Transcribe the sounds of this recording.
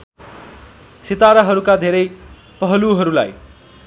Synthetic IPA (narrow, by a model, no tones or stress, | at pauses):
sit̪aɾaɦʌɾukad̪ʱeɾʌj | pʌɦʌluɦʌɾula̰j